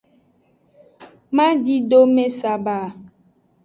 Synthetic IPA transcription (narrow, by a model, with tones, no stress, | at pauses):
mã˦di˦ɖo˦mẽ˦sa˨ba˨